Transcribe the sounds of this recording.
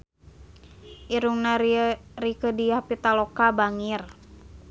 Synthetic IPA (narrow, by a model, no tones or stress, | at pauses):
ʔiɾuŋnarikədiahpit̪alɔkabaŋir